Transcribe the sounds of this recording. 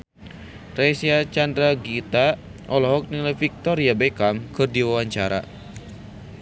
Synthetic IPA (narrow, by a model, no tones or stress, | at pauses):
rɛsiat͡ʃandɾaɡit̪a | ʔɔlɔɦɔk̚nilafik̚t̪ɔɾiabekamkʰɨrdiwawaɲt͡ʃaɾa̰